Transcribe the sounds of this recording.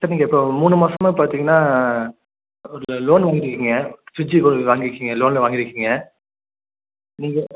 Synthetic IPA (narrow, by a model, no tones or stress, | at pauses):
sɐɾniːŋɐɪpːoːmuːnɯmaːsɐmaːpaːɾt̪iːŋɡɐnːaː | ɔɾɯloːnʋaːŋɡɪɾɯkːɯŋɡɐsʊɲd͡ʒipːoʋaːŋɡɪɾɯkːiŋɡɐloːnlɐʋaːŋɡɪɾɯkːiŋɡɐ | niːŋɡɐ